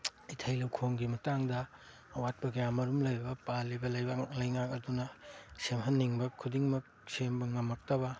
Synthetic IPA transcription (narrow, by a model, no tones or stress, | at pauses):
itʰɐjlɐwkʰoŋɡimɐtaŋdɐː | wat̚pɐɡɐjamɐɾumlɐjbɐpalibɐlɐjbɐlɐjŋakɐɾdunɐsemɦɐnːiŋbɐkʰudiŋmɐk̚sembɐŋɐmɐk̚tɐbɐ